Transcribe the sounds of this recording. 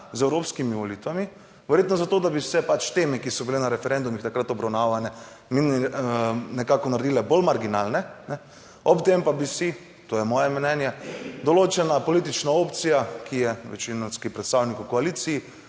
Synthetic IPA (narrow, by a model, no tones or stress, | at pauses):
zɛwɾoːpskimiʋɔliːt̪ʋami | ʋɛɾjeːt̪nɔzat̪oːd̪abisɛpat͡ʃt̪eːmɛkisɔbilenaɾɛfɛɾɛnd̪umixt̪akɾat̪ɔbɾawnaʋanɛ | min | nɛkakɔnaɾed̪ilɛbolmaɾɡinalnɛnɛ | ɔpt̪empabisi | t̪oːjɛmɔjɛmnɛnjɛd̪ɔloːt͡ʃɛnapɔliːt̪̬it͡ʃnaopt̪sijakʰijɛʋɛ̰t͡ʃinɔnskipɾɛt̪st̪aːwnikukɔaliːt̪siji